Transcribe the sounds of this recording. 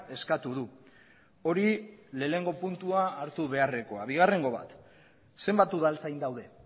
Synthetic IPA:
e̞skat̪uðu | o̞ɾile̞ːne̞ŋɡo̞punt̪uaːɾt̪uβe̞are̞ko̞aβiɣ̞are̞ŋɡo̞βa̰t̪ | se̞mbat̪uðalt͡sajnd̪awðe̞

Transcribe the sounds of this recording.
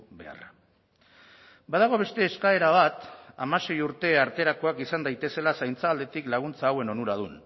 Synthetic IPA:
be̞̰a̰r | baðaɣ̞o̞β̞e̞st̪e̞ːskae̞ɾaβ̞at̪amase̞juɾt̪e̞aɾt̪e̞ɾako̞akisand̪ajt̪e̞se̞lasajnt͡saːld̪e̞t̪iklaɣ̞unt͡saːwe̞no̞nuɾað̞un

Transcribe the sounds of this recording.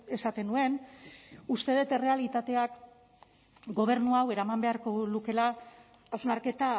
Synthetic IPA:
e̞sat̪e̞nue̞n | ust̪e̞ð̞et̪e̞re̞alit̪at̪e̞ak | ɡo̞β̞e̞ɾnuawe̞ɾamambe̞aɾko̞luke̞laː | wznaɾke̞t̪a

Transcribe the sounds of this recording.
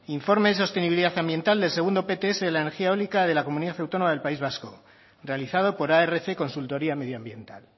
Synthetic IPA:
iɱfo̞ɾme̞ðes̬o̞st̪eniβiliðaθambje̞nt̪ald̪e̞lseɣund̪o̞pe̞t̪eeseðelaene̞ɾxiaolikaðe̞lako̞muniðaθawt̪o̞nomaðelpaizβasko | re̞aliθað̞o̞po̞ɾaere̞θeko̞nsult̪o̞ɾiame̞ðjoambje̞nt̪a̰l

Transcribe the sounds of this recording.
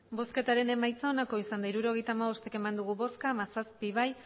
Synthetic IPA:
bo̞ske̞t̪aɾe̞ne̞majt͡saonako̞isand̪aiɾuɾo̞ɣ̞e̞jt̪aːmaβo̞st̪e̞ke̞mand̪uɣ̞uβo̞skamasaspiβaj

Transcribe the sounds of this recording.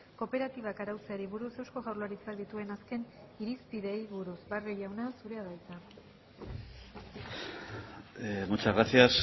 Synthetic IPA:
ko̞pe̞ɾat̪iβ̞akaɾawt͡seaɾiβuɾuse̞wsko̞ɣawrloaɾit͡sald̪it̪ue̞naske̞n | iɾispiðe̞jβuɾusbareʎawnasuɾe̞aðajt͡s̪a | mut͡ʃaɣasias

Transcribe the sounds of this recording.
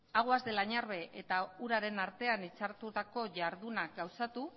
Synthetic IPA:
aɣ̞oazd̪e̞laɲaɾβe̞ʔet̪auɾaɾe̞naɾt̪e̞anit͡saɾt̪ut̪ako̞ʝaɾðunaɡawsat̪u

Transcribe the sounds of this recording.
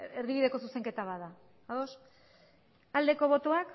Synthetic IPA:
erβiβiðe̞ko̞suse̞ŋke̞t̪aβaða | aðo̞s | ald̪e̞ko̞β̞o̞t̪oak

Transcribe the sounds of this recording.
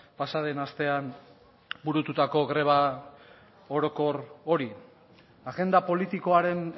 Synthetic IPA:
pasaðe̞nast̪e̞an | buɾut̪ut̪ako̞ɣɾe̞β̞a | oɾoko̞ɾo̞ɾi | aɣe̞nd̪apo̞lit̪iko̞aɾe̞n

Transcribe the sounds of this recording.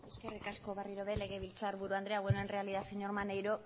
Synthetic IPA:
eske̞rikasko̞βariɾoðele̞ɣ̞e̞βilt͡saːɾβuɾuand̪ɾeaɣwenoenre̞aliðaseɲo̞ɾmanejɾo

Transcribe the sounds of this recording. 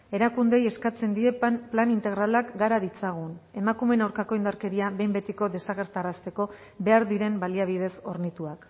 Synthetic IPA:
e̞ɾakund̪e̞je̞skat͡se̞nd̪ie̞planint̪e̞ɣɾalakɡaɾaðit͡saɣ̞une̞makume̞nawɾkako̞ind̪aɾke̞ɾiaβe̞jmbe̞t̪iko̞ðe̞saɣe̞ɾt̪arast̪e̞ko̞ | be̞aɾðiɾe̞mbaliaβ̞iðe̞so̞ɾnit̪uak

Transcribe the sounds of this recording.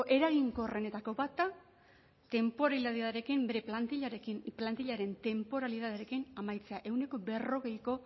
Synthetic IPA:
ʔe̞ɾaɣiŋko̞re̞ne̞t̪ako̞bat̪a | t̪e̞mpo̞ɾaliðaðiðaɾe̞kimbe̞ɾe̞plant̪iʎaɾekinplant̪iʎaɾe̞nt̪e̞mpo̞ɾaliðaðeaɾe̞kinamajt͡se̞aʔe̞wne̞ko̞be̞ro̞ɣe̞jko̞

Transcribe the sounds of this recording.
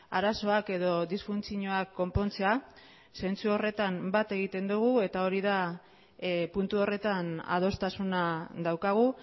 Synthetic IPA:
a̰ɾaso̞ake̞ðo̞ðisfunt͡siɲoakːo̞mpo̞nt͡se̞a | se̞nt͡suo̞re̞t̪ambat̪e̞ɣ̞it̪e̞nd̪uɣ̞ue̞t̪ao̞ɾiða | punt̪uo̞re̞t̪ana̰ð̞o̞st̪asunad̪awkaɣ̞u

